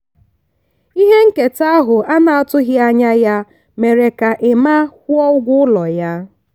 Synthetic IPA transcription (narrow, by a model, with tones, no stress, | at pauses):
i˦ɦe˦ŋ̩˦ke˨ta˦ɦʊ˨ʔa˦na˨a˨tʊ˦ɣɪ˦a˦ɲa˦ja˦ | me˨ɾe˨ka˨ʔɪ˨ma˦kʊ˦ɔ˦ʊ˦ɡʷʊ˦ʊ˦lɔ˨ja˦